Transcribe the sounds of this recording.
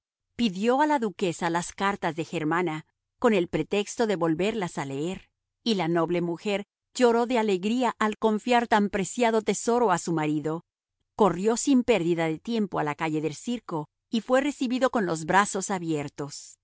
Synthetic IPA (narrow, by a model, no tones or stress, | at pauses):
piðjo̞alaðuke̞salaskaɾt̪azðe̞xe̞ɾmana | ko̞ne̞lpɾe̞t̪e̞kst̪o̞ðe̞βo̞lβe̞ɾlasaleeɾ | ilano̞βle̞muxe̞ɾ | ʝo̞ɾo̞ðe̞ale̞ɣɾiaʔalko̞ɱfjaɾt̪ampɾe̞sjaðo̞t̪e̞so̞ɾo̞asumaɾiðo̞ | ko̞rjo̞simpe̞ɾðiðaðe̞t̪je̞mpo̞alakaʝe̞ðe̞lsiɾko̞ | ifwe̞re̞siβiðo̞ko̞nlo̞zbɾaso̞saβje̞ɾt̪os